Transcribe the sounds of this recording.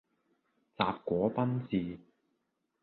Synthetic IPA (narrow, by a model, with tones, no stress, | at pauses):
t͡saː˨˧p̚kʷɔː˨˥pɐ˥nt͡siː˧